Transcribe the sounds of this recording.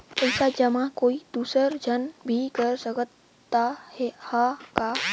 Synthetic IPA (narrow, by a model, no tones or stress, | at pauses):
əɪsad͡ʒəmãkoːid̪̥uːsəɾd͡ʒʱənbʱikəɾsəkət̪ː | ahɛhaka